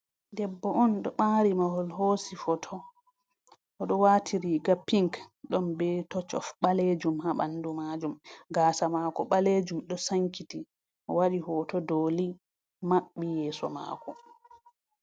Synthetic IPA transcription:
dɛbːɔʔɔnɗɔɓaːɾimaɦɔlɦoːsifɔtʰɔ | ʔːɗɔwaːtʰiɾiɡapiŋkɗɔnbɛtɔt͡ʃɔ̰fɓaled͡ʒumhaɓa̰nːdumad͡ʒumɡaːsamaːkɔɓaled͡ʒumɗɔsaŋkiti | ʔɔwaɗihɔtɔdoli | maɓːijɛːsɔ̰ma̰kɔ

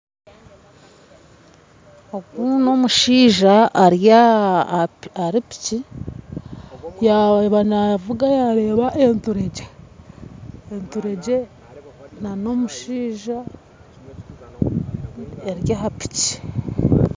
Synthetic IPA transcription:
oɡuno̞muʃiːʒaːɾja | aɾipi̥ci | jaβanaavuɡajaɾe̞ːβaʔentuɾe̞ɟe | entuɾe̞ɟe̞ | nano̞muʃiːʒa | eɾjaɦapi̥ci̥

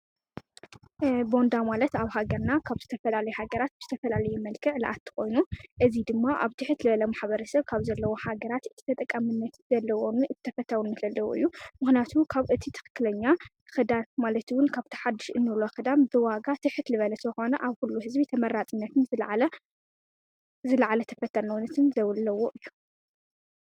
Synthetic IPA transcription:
bo̞nd̪amalɐt̪aβhaɡɐɾnakʰaβzɨt̪ʰɐfɐlalɐjuhaɡɐɾat̪̚bɨzɨ̥t̪ʰɐfɐlalɐjumɐlkʰɨʕlɐ̰ʔat̪ʰːɨ̥xo̞jnuʔɨzid̪ɨmːaʔa̰βt̪ʰɨħɨt̪lɨβɐlɐmaħβɐɾɐsɐβkʰaβzɐlːɐwo̞haɡɐɾat̪ɨt̪ʰi̥t̪ʰɐt̪ʼɐkʼːamɨnːɐt̪z̥ɐlːɐwonɨ̥t̪ʰɐfɐt̪ʰːawunːɨzɐlːɐwoʔɨ̰jːumɨxnijat̪ʰukʰaβʔɨt̪ʰit̪ʰɨ̥xɨ̥kːɨlɐɲːa | xɨd̪atmalɐt̪wʊnkʰaβt̪ʰɐ̥ħad̪ːɨʃɨnːɨloxɨd̪ambɨwaɡat̪ʰɨħɨt̪lɨβɐlɐt̪ʰɐxo̞nɐʔaβkulːuhɨzbit̪ʰɐmɐɾːat͡s̪ʼinːɐt̪ɨnzɨʕlɐ | zɨlɐʕalɐt̪ʰɐ̥fɐt̪ʰːɐɾnɐwnɐt̪ʰɨnzɐwlːɐwoʔɨjːu̥

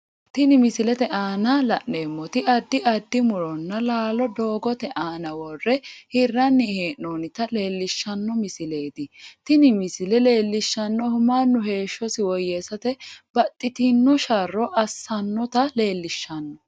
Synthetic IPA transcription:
t̪ɪnɪmɪsɪlɛt̪ɛʔaːnɐlɐʔːeːmːɔt̪ɪʔɐd̪ːɪʔɐd̪ːɪmʊɾɔnːɐlaːlɔd̪o̞ːɡɔt̪ɛʔaːnɐwɔrːɛhɪrːɐnːɪheːnːoːnɪt̪ɐle̞ːlːɪʃːɐnːɔmɪsɪle̞ːd̪ɪt̪ɪnɪmɪsɪlɛle̞ːlːɪʃːɐnːɔhʊmaːnːʊɦe̞ːʃːɔsɪwɔjːeːsɐt̪ɛb̥ɐt̪ʼːɪt̪ɪnːɔʃɐrːɔʔɐsːɐnːɔt̪ɐle̞ːlːɪʃːɐnːɔ

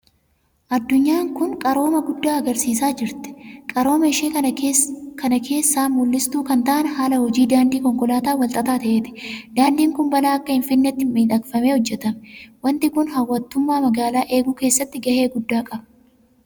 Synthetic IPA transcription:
ʔɐd̪ːʊɲːaːŋkʊŋkʼɐɾo̞ːmɐɡʊd̪ːaːɐɡɐɾsiːsaːd͡ʒɪɾt̪ɛ̥kʼɐɾo̞ːmɐɪʃeː | kʰɐnɐkʰe̞ːsːaːmʊlːɪst̪uːkɐnt̪ɐʔɐnhaːlɐhɔd͡ʒiːd̪aːnd̪iːkɔŋkɔlaːt̪aːwɐlt̪ʼɐt̪aːt̪ɐʔe̞ːt̪ɪ̥d̪̥aːnd̪iːŋkʊmbɐlaːɐkːɐhɪnfɪnːɛt̪ːɪmiːᶑ̪ɐkfɐme̞ːhɔd͡ʒːɛt̪ɐmwɐnt̪ɪkʊnhɐwːɐt̪ːʊmːaːmɐɡaːlaːʔe̞ːɡuːke̞ːsːɐt̪ːɪɡɐhe̞ːɡʊd̪ːaːkʼɐbɐ̥

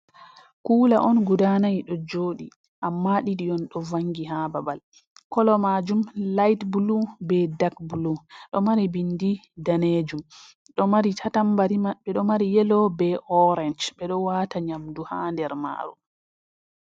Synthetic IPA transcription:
kuːlaʔɔnɡudanajɗɔd͡ʒoːɗi | ʔamːaɗiɗiɔnɗɔvaŋɡiɦababal | kɔlɔmad͡ʒumlajtbulubɛdakbuluɗɔmaɾibindi | daned͡ʒum | ɗɔmaɾitʰatambaɾimaɓɛɗɔmaɾijɛlɔbɛʔɔɾɛnd͡ʒɓɛɗɔwataɲamduhaːndɛɾma̰ːɾṵ

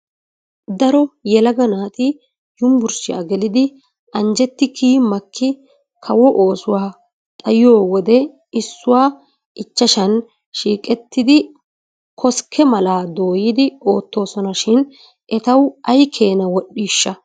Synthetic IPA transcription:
d̪ɐɾɔjɛlɐɡɐnaːt̪ʼɪ | jʊmbʊɾsɪja̰ɡɛlɪd̪ɪ | ʔɐnd͡ʒɛt̪ːɪkʰiːmɐkʰːɪ | kʰɐwɔʔoːsʊwaː | t̪ʼɐjɪjo̞ːwɔd̪ɛ | ɪsːʊwaː | ʔɪt͡ʃːɐʃɐn | ʃiːkʼɛt̪ːɪd̪ɪ | kʰɔskʰːɛmɐlaːd̪o̞ːjɪd̪ɪo̞ːt̪ːo̞ːsɔnɐʃɪn | ʔɛt̪ɐwɐjkʰe̞ːnɐwɔɗːiːʃːɐ

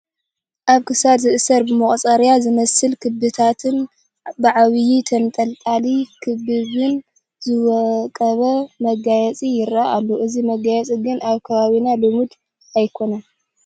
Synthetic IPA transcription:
ʔaβkʰɨsad̪zɨʔɨsɐɾbɨmɐχʼt͡sʼɐɾjazɨmɐsɨlkʰɨbɨt̪ʰat̪ʰɨn | bɨʕaβɨjit̪ʰɐnt̪ʼɐlt̪ʼalikʰɨbɨβɨn | zɨwɐkʼɐβɐmɐɡajɛt͡sʼijɪɾaʔalːoʔɨzimɐɡajɛt͡sʼiɡɨnaβkʰɐβaβinalɨmud̪ | ajkʰo̞nan

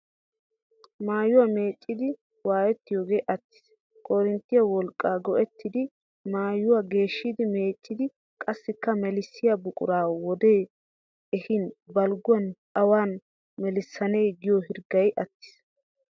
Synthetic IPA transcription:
maːjʊwame̞ːt͡ʃʼːɪd̪ɪ | waːjɛt̪ːɪjoːɡe̞ːʔɐt̪ːɪ̥s | kʼɔɾɪnt̪ːɪjɐwɔlkʼːaːɡɔʔɛt̪ːɪd̪ɪ | maːjʊwaɡe̞ːʃːɪd̪ɪme̞ːt͡ʃʼːɪd̪ɪ | kʼɐsːɪkːɐmɛlɪsːɪjɐbʊkʼʊ̰ɾaːwɔd̪e̞ː | ɛhɪnbɐlɡʊɐn | ɐwaːn | mɛlɪsːɐneːɡɪjohɪɾɡɐjʔɐt̪ːɪ̥s

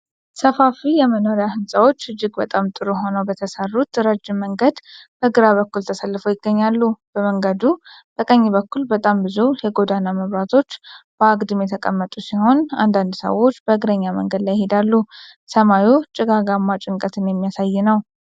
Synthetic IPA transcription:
səfafijɛmənoɾijahɨnsʼawo̞t͡ʃːɨd͡ʒːɪɡbət̪ʼamt̪ʼɨɾuɦo̞nəwbət̪ʰəsərːut̪ɾəd͡ʒːɪmːəŋɡəd̪b̥əɡɨɾaβəkːult̪ʰəsəlːɨfəwjɪɡːəɲːalːub̥əməŋɡəd̪ub̪̥əkʼəɲːiβəkːulbət̪ʼambɨzujɛɡo̞d̪anaməβɾat̪ʰo̞t͡ʃːb̥əaɡʼd̪ɨmjɛt̪ʰəkʼəmːət̪ʼusiho̞na̰nd̪and̪sə̰wo̞t͡ʃːb̥əɨɡɾəɲːamə̰ŋɡəd̪lajɪhe̞d̪alːusəmajut͡ʃʼɪɡaɡamːat͡ʃʼɪŋkʼət̪ʰɨnjɛmːijasajːɪnəw

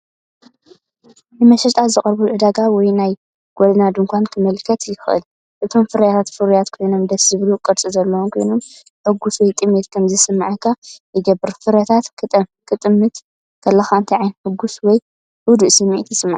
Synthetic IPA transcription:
nɨmɐʃɐt̪ʼazɨχʼɾbuʕɨd̪aɡawɔjnaj | ɡ̥ʷod̪ɐnad̪uŋkʷʰankʰɨmɐlkʰɐt̪jɪxɨʔɨ̰l | ʔɨt̪ʰo̞mfɨɾɐjat̪ʰat̪fɨɾujat̪kʰo̞jno̞md̪ɐszɨβlukʼɨɾt͡sʼɨzɐlːɐwumkʰo̞jno̞m | ħɨɡːuswɔjt̪ʼɨmet̪kʰɐmzɨsɨmːaʕakʰːajɪɡɐbːɨɾfɨɾɐt̪ʰat̪k̪ʰkʰɨt̪ʼɨmːɨt̪ | kʰɐlːɐxaɨnt̪ʰiʕajnħɨɡuswɔj | ʔud̪uʔsɨmːeʔt̪jɪsɨmːaʕ

